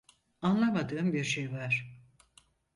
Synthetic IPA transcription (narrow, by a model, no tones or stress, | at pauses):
anlˠamad̪ɯːmbiɾʃejvaɾ̥